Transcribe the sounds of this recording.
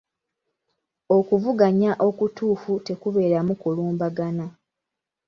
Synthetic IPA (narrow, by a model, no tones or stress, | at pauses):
o̞kuvuɡaɲaʔo̞kutuːfute̞kuβe̞ːɾamukuluːmbaɡana